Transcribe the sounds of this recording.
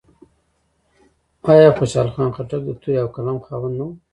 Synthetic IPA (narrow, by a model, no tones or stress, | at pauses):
ɑjɑːxoʃɑːlxɑːnxaʈak̚d̪ət̪ʰujawkalaːmxaːwanːu